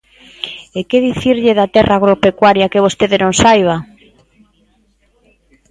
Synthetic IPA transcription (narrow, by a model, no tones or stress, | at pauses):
ekeðiθiɾʎɪðat̪ɛraːɣ̞ɾopekwaɾjakeβ̞ost̪eðɪnõŋsajβ̞a